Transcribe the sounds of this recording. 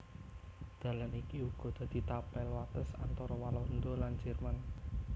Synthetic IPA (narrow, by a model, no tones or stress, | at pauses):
d̪̥a̤lanikiuɡ̥ɔ̤d̪̥ä̤d̪̥i̤t̪apɛlwat̪əsa̰nt̪ɔɾɔwalɔnd̪oland͡ʒɛrman